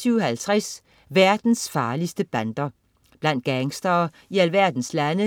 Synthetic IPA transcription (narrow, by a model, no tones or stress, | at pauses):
yʊhælt͡sʰʁas | ʋæɐd̥n̩sfɑ̈ːlisd̥əb̥ænd̥ɐ | b̥læn̰d̥̚ɡ̥æŋsd̥ɐː | iælʋæɐd̥n̩slænə